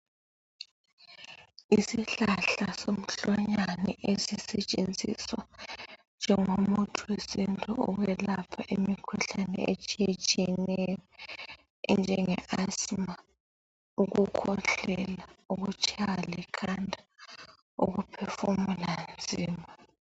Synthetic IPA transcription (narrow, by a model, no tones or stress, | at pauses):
isiɬaɬasom̩ɬɔɲanɛʔezisɛt͡ʃʼend͡zʱʼḭswand͡ʒʱɛŋomutʰuwesintʼuuwɛlapʰaʔimikʰuɬanɛ̰ḛt͡ʃʼijet͡ʃʼiɛnɛjɔ | nd͡ʒʱɛŋɛʔasma | uɣukʰɔɬɛlauɣut͡ʃʼʰawalɛkʰandʱʼḁ | ṵɣupʰɛfumuland͡zʱiːmaa